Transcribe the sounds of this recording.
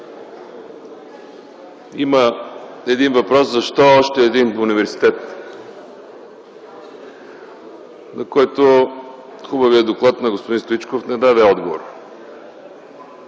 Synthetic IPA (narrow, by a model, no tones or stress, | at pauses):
imə | ɛd̪invɐpɾɔszɐʃt̪ɔːʃt̪ɛːd̪inunivɛɾsi̥t̪ɛt̪ | nɐkɔjt̪o | xubəvijəd̪oklˠat̪nɐɡospod̪inst̪oit͡ʃkofnɛd̪ad̪ɛɔd̪ɡovo̰ɾ